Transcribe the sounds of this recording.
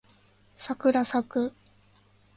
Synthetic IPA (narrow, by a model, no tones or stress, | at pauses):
sakɯ̟ɾasakɯ̟